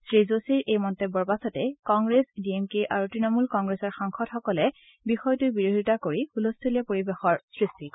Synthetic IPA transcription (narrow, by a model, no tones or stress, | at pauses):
sɹizosiɹʔejmɔntebːɔɹpasɔtɛkɔŋɡɹesdiemkeʔaɹutɹinɔmulkɔŋɡɹesɔɹxaŋxɔtxɔkɔlɛ | bixɔjtujbiɹoɦitakoɹixulostʰilɛpoɹibexɔɹsɹisti